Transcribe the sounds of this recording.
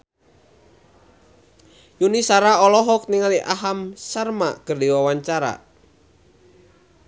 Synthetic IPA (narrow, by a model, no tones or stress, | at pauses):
junisaɾaɔlɔɦɔk̚niŋaliʔaɦamsarma̰kərdiwawaɲt͡ʃaɾa̰